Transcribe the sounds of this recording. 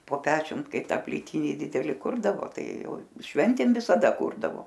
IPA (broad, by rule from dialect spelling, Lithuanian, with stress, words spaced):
poː ˈpʲæːt͡ʃʲʊm ˈkɐɪp ˈtɑː pʲlʲiːˈtʲɪnʲɪ ˈdʲɪdʲɛlʲɪ ˈkʊrdɐʋoː ˈtɐɪ ˈjɛʊ ˈʃʲʋʲɛnʲtʲeːm ʋʲɪsɐˈdɐ ˈkuːrdɐʋoː